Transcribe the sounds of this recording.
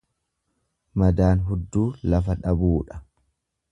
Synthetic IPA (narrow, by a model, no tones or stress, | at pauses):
mɐd̪aːnɦʊd̪ːuːlɐfɐᶑɐbuːᶑɐ̥